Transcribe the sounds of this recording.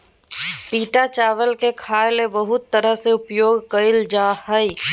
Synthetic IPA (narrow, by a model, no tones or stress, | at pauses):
piːʈat͡ʃaːʋəlkekʰaːjlebəɦʊt̪ːəɾəɦseʊpjoːɡkɐɪld͡ʒaːhəi